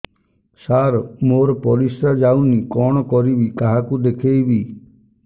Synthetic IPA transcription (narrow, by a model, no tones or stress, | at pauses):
saɾmoɾɔpɔɾisɾad͡ʒawnikɔɽ̃ɔkɔɾibikaɦakud̪ekʰejbi